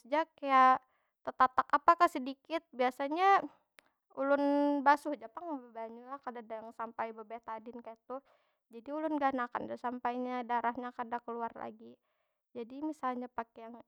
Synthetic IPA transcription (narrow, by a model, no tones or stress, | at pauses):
əd͡ʒakːaja | t̪ət̪at̪akapakasədikɪt̪̚biasaɲa | ulʊnbasʊhd͡ʒapaŋabəbaɲulahkadadajaŋsampajbəbet̪adɪnkajat̪ʊh | d͡ʒadiulʊnɡanaka̰ndasampajɲadaɾahɲakardakəluarla̰ɡi | d͡ʒadimisalɲapakejaŋ